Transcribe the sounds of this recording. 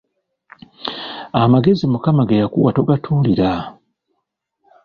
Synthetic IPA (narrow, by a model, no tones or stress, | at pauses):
amaɡe̞zimukamaɡejakuwatoɡatʰuːliɾa